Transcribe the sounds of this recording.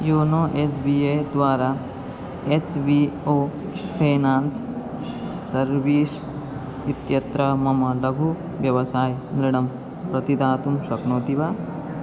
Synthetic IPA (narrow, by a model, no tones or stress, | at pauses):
joːnoːʔeːsbiːeːd̪ʋaːɾaː | eːt͡ʃʋioː | pʰeːnaːnsː | ɐɾʋiːs | it̪jɐt̪ɾɐmɐmɐlɐɡʱu | ʋjɐʋɐsaːjnɾiɽɐm | pɾɐt̪id̪aːt̪umʃɐknoːt̪iʋa